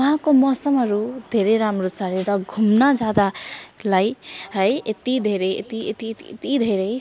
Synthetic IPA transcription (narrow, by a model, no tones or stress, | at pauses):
ʌɦãkomʌsʌmɦʌɾud̪ʱeɾeɾamɾot͡sʌɾeɾʌɡʱumnʌd͡zad̪alajɦʌjet̪id̪ʱeɾeḛt̪iet̪it̪iet̪id̪ʱeɾej